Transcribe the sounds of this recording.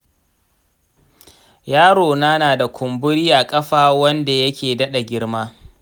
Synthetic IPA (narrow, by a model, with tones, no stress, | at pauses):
jaː˦ɽoː˨na˦naː˨da˨kʷʊ˨mbʊ˦ɽiː˦ʔa˨kʼɐ˦ɸaː˦wɐ˦nda˨jɐ˦kʲeː˨dɐ˦ɗa˨ɡʲɪ˦ɽmaː˦